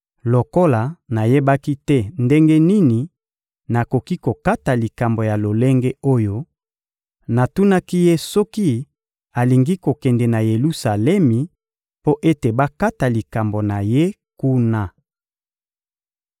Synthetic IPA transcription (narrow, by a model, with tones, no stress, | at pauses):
lo˨ko˦la˨na˨je˦ba˦ki˦tɛ˦nde˦ŋɡe˦ni˦ni˨ | na˨ko˨ki˦ko˨ka˦ta˨li˨ka˨mbo˨ja˨lo˨le˦ŋɡe˦o˦jo˦ | na˨tu˦na˦ki˦je˦sɔ˦ki˦ | a˨li˨ŋɡi˦ko˨kɛ˨ndɛ˨na˨je˨lu˦sa˨lɛ˦mi˨ | po˦ʔe˦te˨ba˦ka˦ta˨li˨ka˨mbo˨na˨je˦ | ku˦na˦